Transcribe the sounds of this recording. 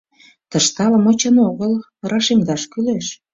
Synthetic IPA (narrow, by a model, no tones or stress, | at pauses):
t̪əʃt̪ɑləmot͡ɕə̆noɣəl | rɑʃemd̪ɑʃkyleʃ